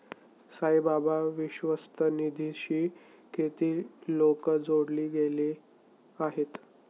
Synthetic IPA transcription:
səjbabaʋiɕʋəst̪ʰənid̪ʱiɕiː | ket̪iːlokəd͡zoɽliːɡele | aɦet̪

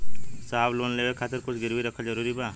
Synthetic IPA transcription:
saːbloːnleːwekʰaːt̪ɪɾkʊt͡ʃʰɡɪɾwiɾəkʰad͡ʒəɾuːɾibaː

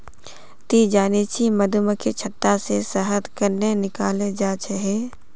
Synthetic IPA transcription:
t̪iːd͡ʒaːnit͡ʃʰiməd̪uməket͡ʃʰɐt̪ːasesəɦət̪kəɾnenɪkaːled͡ʒaːt͡ʃʰeɦeː

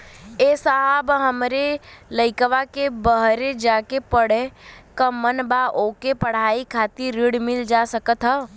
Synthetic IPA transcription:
esaɦəbɦəmɾeləɪkəʋakebəɦɾed͡ʒaːkepəɽ̤ẽkəmənbaʔoːkepəɽ̤aːikʰaːt̪iɾːiɽmɪld͡ʒasəkət̪ɦə

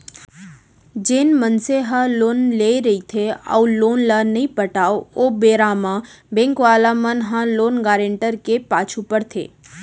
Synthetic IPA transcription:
d͡ʒeːnmənseɦãloːnleɾəit̪ʰea̰uloːnlanəɦĩpəʈaːoobeːɾamã | bẽŋkʋaːlamənɦãloːnɡaːɾẽɳʈəɾkepaːt͡ʃʰupəɾt̪ʰḛː

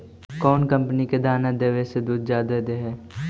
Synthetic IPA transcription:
kɔːnkɐ̃mpəniked̪ʱaːnad̪eːʋesed̪uːd̪d͡ʒjaːd̪ad̪eɦɛː

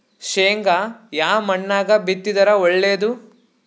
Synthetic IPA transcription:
ʃeːŋɡɐjaːmɐɳːaːɡɐbit̪ːid̪ɐɾɐɔɭːeːd̪u

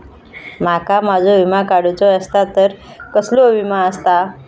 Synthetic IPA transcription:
m̤akamad͡zʱoʋimakaɽut͡soəst̪at̪əɾ | kəsloʋimaəst̪a

